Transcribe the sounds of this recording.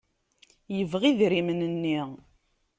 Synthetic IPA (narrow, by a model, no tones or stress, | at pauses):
jəvʁiðɾimənənːi